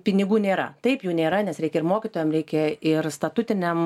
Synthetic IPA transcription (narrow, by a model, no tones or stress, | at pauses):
pʲɪnʲɪɡuːnʲeːɾɐ̰t̪ɐɪpjuːnʲeːɾɐnʲɛsɾʲɛɪkʲɛɪrmoːkʲɪt̪oːjɛmɾʲɛɪkʲɛɪrst̪ɐt̪ʊt̪ʲɪnʲɛm